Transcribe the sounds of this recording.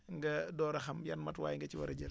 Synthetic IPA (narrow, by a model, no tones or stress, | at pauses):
ŋɡɐdɔːɾɐxɐmjanmɐtwaːjŋɡɐt͡ʃiwɐɾɐɟɐl